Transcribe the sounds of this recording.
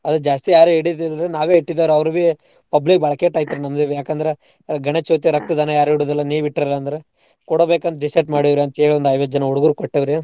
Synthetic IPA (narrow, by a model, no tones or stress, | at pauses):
ɐd̪ud͡ʒaːst̪ijaːɾeiɽid̪ɐld̪ɾenaːʋeːiʈːid̪ɐːʋɾɐʋɾuʋe | pɐblik̚bɐːɭɐkeʈaːjt̪ɐɾenɐmɐd̪eʋjaːkɐnd̪ɐɾe | ɡɐɳet͡ʃot̪̬iɾɐk̚t̪ɐd̪ɐnɐjaːɾiɽoːd̪ɐlːɐniːʋiʈːɾɐlːɐːnd̪ɐɾe | kɔɽobeːkɐnɐɖisɐʈmaːɽiʋɾeɐnt̪ɐeːɭiond̪ɐjʋɐd͡ʒɐnɐoɽuɡuɾukoʈːɐʋɐɾe